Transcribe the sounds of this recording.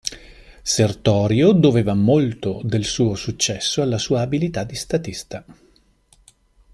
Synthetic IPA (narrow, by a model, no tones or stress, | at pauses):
sert̪ɔːɾjod̪oveːvamolt̪od̪elsuːosut͡ʃːɛsːoalːasuːaːbilit̪ad̪ːist̪at̪ist̪a